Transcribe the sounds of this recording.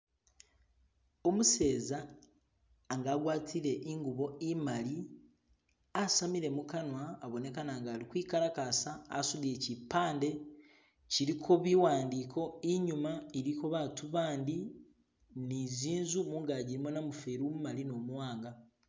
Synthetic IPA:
o̞muse̞ːza | ŋɡaːɡwaːtʰiɾe̞ʔiŋɡuβo̞imali | asamiɾe̞mukanwaːβo̞ne̞kanaːŋɡaːlikwiːkaɾakasa̰ːsulie̞cipaːnde̞ | ciɾikʰo̞βiwaːndiːkʰo̞iɲumaiɾiko̞βatuβaːndi | niziːnzumuːŋɡaɟiɾimo̞namufeɾumumalino̞ːmwaːŋɡa

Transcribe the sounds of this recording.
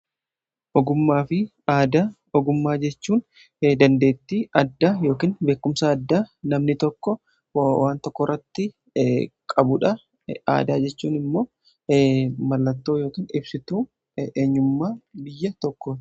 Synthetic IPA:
ʔɔɡʊmːaːfɪ | aːd̪ɐ | ɔɡʊmːaːd͡ʒɛt͡ʃːuːn | d̪ɐnd̪e̞ːt̪ːiːʔɐd̪ːaːjo̞ːkiːnbe̞ːkːʊmsaːd̪ːaːnɐmnɪt̪ɔkːɔ | waːnt̪ɔkːɔrːɐt̪ːɪ | kʼɐbʊᶑɐ | a̰ːd̪aːd͡ʒɛt͡ʃːuːnɪmːo̞ː | mɐlːɐt̪ːo̞ːjo̞ːkiːnɪbsɪt̪uː | ʔeːɲːʊmːaːbɪjːɐt̪ɔkːɔ

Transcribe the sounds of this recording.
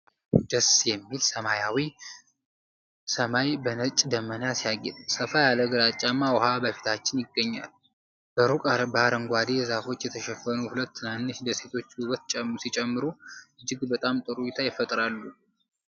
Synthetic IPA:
d̪əsjɛmːilsəmajawi | səmajbənət͡ʃʼːd̪əmːənasijaɡɛ̰t̪ʼsəfajaləɡɨɾat͡ʃʼːamːawʊhabəfi̥t̪ʰat͡ʃːɪnjɪɡːəɲːa̰l | b̥əɾukʼaɾbaɾəŋɡʷad̪ejɛzafo̞t͡ʃːjɛt̪ʰəʃɛfːənuhulət̪ːɨnanːɨʃd̪əse̞t̪ʰo̞t͡ʃːuβət̪t͡ʃʼsit͡ʃʼɛmːɨɾuɨd͡ʒːɪɡbət̪ʼamt̪ʼɨɾujut̪ʰajɪfət̪ʼɾalːu

